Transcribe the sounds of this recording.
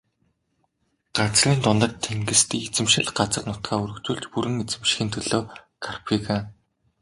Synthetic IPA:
ɢ̥at͡sriːnt̪ʊnt̪ə̆rt̪ʰːeŋɡɘ̆st̪iet͡sɘ̆mʃɪ̆ɮɢat͡sə̆rnʊt̪ɢæːɵɾɵ̆kt͡ɕuːɮt͡ɕpuɾɘ̆ŋet͡sɘ̆mʃxiːnt̪ʰɵɮoː | kʰarpʰiɣa

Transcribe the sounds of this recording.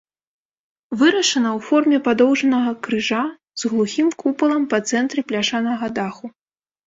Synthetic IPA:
vɨɾɐʂɐnɐwfɔrmʲɛpad̪ɔwʐɐnɐɣɐkɾɨʐa | z̥ɣlˠuxʲimkʰupɐlˠɐmpɐt̪sɛnt̪ɾʲɛplʲaʂanɐɣɐd̪axu

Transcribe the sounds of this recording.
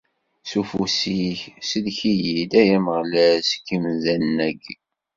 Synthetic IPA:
sufusiçsəlçijid̪æjæməʁlæskːimzænːæɡ

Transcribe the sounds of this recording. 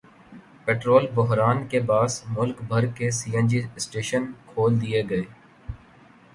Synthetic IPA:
peːʈɾoːlbʊɦɾaːnkebaːsmʊlkbʱɐɾkːesiːə̃nd͡ʒisʈeːʃənkʰoːld̪ijeɡɐeː

